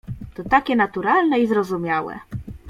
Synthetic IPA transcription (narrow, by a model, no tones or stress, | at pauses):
t̪ɔt̪akʲɛnat̪uɾalnɛizɾɔzumʲjawɛ̰